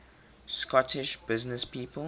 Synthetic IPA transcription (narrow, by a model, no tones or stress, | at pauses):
skɔtʰɪʃb̥ɪznəspiːpə